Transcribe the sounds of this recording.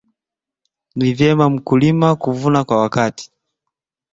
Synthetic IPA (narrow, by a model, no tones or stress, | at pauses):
nivjɛmam̩kulimakuvunakwawakati̥